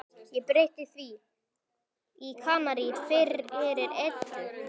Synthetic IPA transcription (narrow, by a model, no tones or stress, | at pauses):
jɛpɾejht̪ɪθvi | ikʰaːmaɾifɪɾɛɾɪɾet̪lɪ